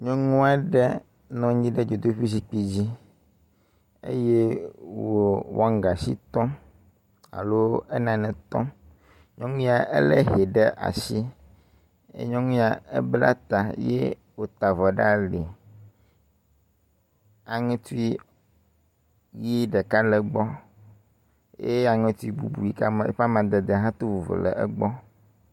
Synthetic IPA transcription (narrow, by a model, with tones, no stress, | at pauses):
ɲɔ̃˦ŋũ˦a˦ɖɛ˦ | nɔ̃˦ɲĩ˦ɖɛ˦d͡ʒo˨d̪o˦ɸi˦s̬i˦k͡pi˦d͡ʑi˦ | ḛ˦je˦wo˨wo̰˦a˦ŋ˨ɡa˨sḭ˦t̪ɔ̃˦ | a̰˨lo˦ɛ˦nã˨nɛ̃˨t̪ɔ̰̃˦ | ɲɔ̃˦ŋũ˦a˨ɛ˦lɛ˦ɦe˨ɖɛ˦ʔa̰˨si˦ | ḛ˦ɲɔ̃˦ŋũ˦a˨ḛ˦bla̰˦t̪a˨je˦ | wo˦t̪a˨vɔ˨ɖa˦li˨ | a˨ŋɛ̃˦t̪u˦i˦ | ji˦ɖɛ˨ka˦lɛ˨ɡ͡bɔ˦ | je˦a˨ŋɛ̃˦t̪u˦i˦bu˦bu˨ji˦ka˦me˨˦ɸa˦mã˨d̪ɛ˨d̪e˨ɦã˦t̪o˦vo˨vḛ˨lɛ̰˨ʔɛ˦ɡ͡bɔ˦